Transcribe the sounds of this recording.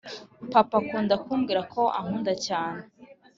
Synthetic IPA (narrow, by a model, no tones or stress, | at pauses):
papakuːndakuːmɡiːɾakʰo̞ʔa̰ŋ̥uːndacaːne